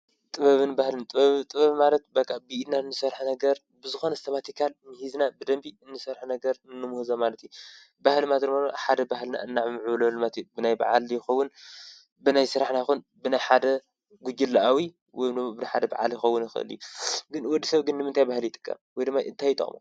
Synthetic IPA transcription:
t̪ʼɨβɐβɨnbahlɨnt̪ʼβɐβɨt̪ʼɨβɐβɨmalɐt̪̚bɐkʼːabɨid̪naɨnːɨsɐrħnɐɡɐɾ | bɨzɨxo̞nɐst̪ʰɐmat̪ʰikʰalnɨhiznabɨd̪ɐmbiɨnːɨsɐɾħunɐɡɐɾnɨnːɨmuhzamalɐt̪ju | bahlɨmat̪ɨɾmalħad̪ɐbahlna̰ʔɨnːaʕɨmɨʕwlɐlɨmat̪jubɨnajba̰ʕa̰ljɪxɐwːʊn | bɨnajsɨɾaħnajxun | bɨnajħad̪ɐ | ɡud͡ʒɪlːaʔawi | wɔjnmːobɨnaħad̪ɐba̰ʕa̰ljɪxɐwʊnjɪxɨ̰ʔɨ̰ljuɡɨnwɔd̪ːisɐβɡɨnːɨmɨnt̪ʰajbahljɪt̪ʼɨ̥kʼːa̰mwɔjd̪ɨmːajʔɨ̰nt̪ʰajt̪ʼɐ̰χʼmo̰

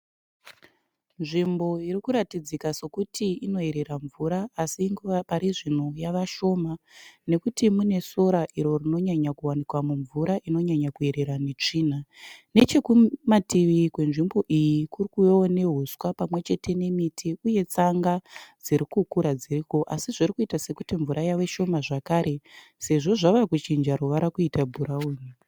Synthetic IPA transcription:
nʐimbo̞iɾikuɾatid͡zikaso̞kutʰiino̞e̞ɾe̞ɾaɱvuɾaːsiŋɡuʋapaɾiʐin̤ojaʋaʃo̞mane̞kutimune̞so̞ɾaʔiɾo̞rino̞ɲaɲakuwanikwamuɱvuɾaʔino̞ɲaɲakue̞ɾe̞ɾane̞t͡ʂiːnane̞t͡ʃe̞kumatiʋikwe̞nʐimbo̞ʔijikurikujone̞ɦuswapamwe̞t͡ʃe̞tʰe̞ne̞mitʰiuje̞t͡saŋɡad͡ziɾikukuɾad͡ziriko̞ʔasiʐirikuitase̞kutiɱvuɾʔajawe̞ʃo̞maʐakaɾe̞ | se̞ʐo̞ʐaʋakut͡ʃind͡ʒaɾoʋaɾakuitabʱuɾauni

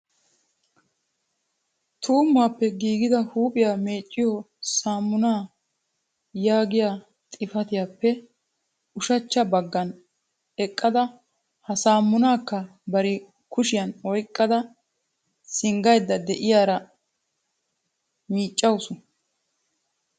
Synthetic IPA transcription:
t̪ʰuːmːaːpːɛɡiːɡɪd̪ɐhuːpʼɪjaːme̞ːt͡ʃʼːɪjɔ | saːmːʊnaː | jaːɡɪjaː | t̪ʼɪfɐt̪ɪjaːpːɛ | ʊʃɐt͡ʃːɐbɐɡːɐn | ɛkʼːɐd̪ɐ | hɐsaːmːʊnaːkːɐbɐɾɪ | kʊʃɪjɐnɔjkʼːɐd̪ɐ | sɪŋɡɐjd̪ːɐd̪ɛʔɪjaːɾɐ | miːt͡ʃʼːɐwʊsʊ

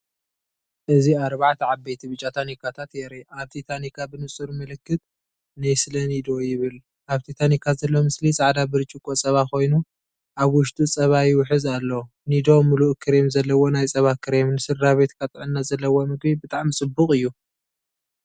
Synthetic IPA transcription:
ʔɨziaɾβaʕt̪ʰɐʕabːejt̪ʰiβɨt͡ʃʼːat̪ʰanikʰat̪ʰat̪jeɾeʔaβt̪ʰit̪ʰanikʰabɨnɨsʼuɾmɐlɨkːɨt̪ | najsɨlɐnid̪o̞jɪβɨl | ʔaβt̪ʰit̪ʰanikʰazɐlːo̞mɨslisʼaʕd̪abɨɾɨt͡ʃʼikʼot͡sʼɐβako̞jnu | ʔaβwʊʃt̪ʼut͡sʼɐβajiwħɨzalːo | nid̪o̞muluʔkʰɨɾe̞mzɐlːɐwo̞najt͡sʼɐβakʰɨɾemnɨsɨɾːaβe̞t̪kʰat̪ʼɨʕɨnːazɐlːɐwo̞mɨɡbibɨt̪ʼaʕmit͡sʼɨbːukʼɨjːu

